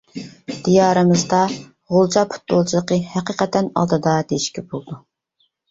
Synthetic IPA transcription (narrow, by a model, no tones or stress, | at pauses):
d̪̥ijɑːɾɨmɨzd̪ɑ | ʁolˠt͡ʃʰɑpʰu̥t̪̚bolˠt͡ʃʰilˠəqəhɛqiqɛt̪ɛnɑ̰lˠd̪ɨd̪ɑd̪ejiʃkʲɛbolˠd̪u